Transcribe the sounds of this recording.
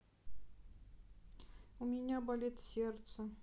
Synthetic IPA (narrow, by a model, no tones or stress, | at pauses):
umʲɪnʲabɐlʲet̪sʲert̪sə